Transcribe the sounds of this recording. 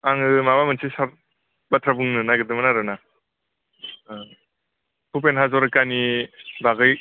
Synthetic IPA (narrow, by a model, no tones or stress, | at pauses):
aŋɯmabamɯnsʰisaɾ | batʰɾabuŋnɯnaɡɯdɯmanaɾɯna | pʰupenɦazɔɾɯkanibaɡɯj